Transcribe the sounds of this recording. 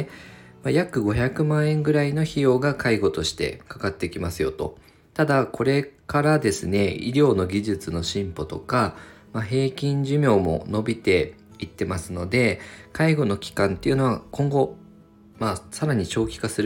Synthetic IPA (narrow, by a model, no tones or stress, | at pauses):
majakɯ̟ɡo̞çakɯ̟mãɰ̃ẽ̞ŋɡɯ̟ɾaino̞çijo̞ːɡakʰaiɡo̞t̪o̞ɕi̥t̪e̞̰kḁkat̪ːe̞kʲimasɨjo̞̰t̪o̞̰ | t̪ad̪akʰo̞ɾe̞kaɾad̪e̞sɨne̞ḭɾʲo̞ːno̞ɡʲiʑɨt͡sɨno̞ɕĩmpo̞t̪o̞ka | maɦe̞ːkʲĩɲ̟d͡ʑɨmʲjo̞ːmo̞̰no̞bʲit̪e̞ | it̪ːe̞masɨno̞d̪e̞kaiɡo̞no̞kʲi̥kãnt̪ːe̞iɯ̟no̞βakõ̞ŋɡo̞ | masaɾaɲ̟it͡ɕo̞ːkʲi̥kasɨɾɯ